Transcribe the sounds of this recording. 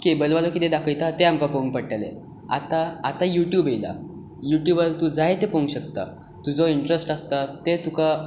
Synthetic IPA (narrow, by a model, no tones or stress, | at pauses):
kebəlʋalɔkit̪ed̪akʰəjt̪at̪eamkapoŋɡ̚pəɽʈalḛ | a̰t̪aːt̪ajuʈjuːbejla̰ | juʈjubəɾt̪ud͡zaɦet̪epoŋɡɕək̚t̪a̰ | t̪ud͡zɔiɳʈɾesʈast̪at̪et̪uka